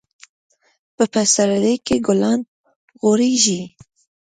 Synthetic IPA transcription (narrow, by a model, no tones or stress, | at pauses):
b̥ɨpʰɛsaɾalekeɡʊlɑːn | ɣoɾiːʒiː